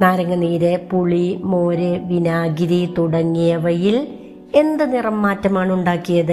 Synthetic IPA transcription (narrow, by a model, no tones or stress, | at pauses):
naːɾɐŋːɐniːɾepuɭimo̞ːɾeʋinaːɡiɾit̪uɽɐŋːijɐʋɐjil | e̞nd̪ɨnirɐmːaːtːɐmaːɳuɳɖaːkːijɐðɨ